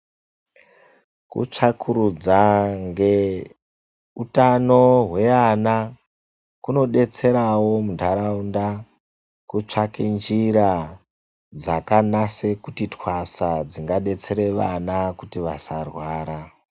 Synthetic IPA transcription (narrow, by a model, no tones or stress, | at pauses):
kṵt͡ʂakʰuɾud͡zaŋɡe | utano̞ɦwe̞ana | kuno̞ɗe̞t͡se̞ɾawo̞mundʱaɾaunda | kut͡ʂakend͡ʒiɾa | d͡zakanase̞kutitwasad͡ziŋɡaɗe̞t͡se̞ɾe̞ʋanakutiʋasarwaːɾa